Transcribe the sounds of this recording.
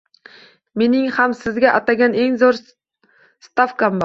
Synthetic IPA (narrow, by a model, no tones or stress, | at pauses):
me̞nɪŋhamsɪzɡʲaʔat̪aɡʲane̞ŋzoɾ | st̪afkambɒ